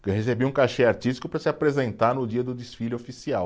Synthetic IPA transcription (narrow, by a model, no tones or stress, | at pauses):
khesebiũkaʃɛaɾt͡ʃist͡ʃi̥kʊpɾɐsɪapɾezẽnt̪aɾnʊd͡ʒiɐd̪ʊd̪isfiʎʊofisiaw